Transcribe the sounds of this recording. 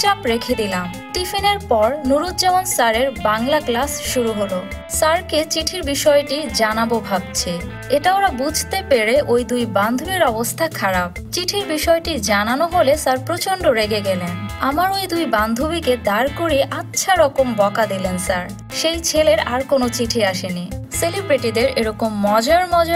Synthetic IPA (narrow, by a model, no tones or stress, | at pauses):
t͡ɕapɾekʰed̪ilam | ʈifineɾpɔɾnuɾud̪d͡ʑamonsaɾeɾbaŋlaklasʃuɾuɦolo | saɾket͡ɕiʈʰiɾbiʃɔeʈid͡ʑanabobʱab̚t͡ɕʰe | eʈaoɾabud͡ʑʱt̪epeɾeʔojd̪ujband̪ʱubiɾɔbost̪ʰakʰaɾab̚ | t͡ɕiʈʰiɾbiʃɔeʈid͡ʑananoɦolesaɾpɾot͡ɕoɳɖoɾeɡeɡɛlenamaɾojd̪ujband̪ʱubiked̪aɾkoɾiʔatːɕʰaɾɔkombɔkad̪ilensaɾ | ʃejt͡ɕʰeleɾaɾkonot͡ɕiʈʰiaʃeniselibɾiʈid̪eɾeɾɔkomːɔd͡ʑaɾmɔd͡ʑa